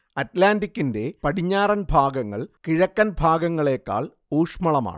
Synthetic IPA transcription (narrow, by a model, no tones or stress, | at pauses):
ɐtlaːndikʲːinde̞pɐɽiɲːaːɾɐnbʱaːɡɐŋːɐ̰ɭkiɻɐkːɐnbʱaːɡɐŋːɐɭe̞ːkːa̰ːɭ | uːʂmɐɭɐma̰ːɳɨ